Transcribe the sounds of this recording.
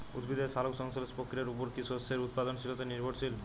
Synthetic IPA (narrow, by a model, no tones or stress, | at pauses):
ṵd̪bid̪esalokʃɔŋsolspokʰːiɾeɾupoɾkisoseɾut̪̚pad̪onʃilot̪eniɾbʱoɾsil